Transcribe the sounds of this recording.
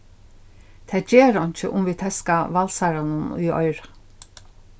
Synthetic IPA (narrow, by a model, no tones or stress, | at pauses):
t̪ʰɛːd͡ʒeːɾɔɲ̥t͡ʃɪʔʊmviːt̪ʰɛskaʋalsaɾanʊnṵjɔ̰jɾa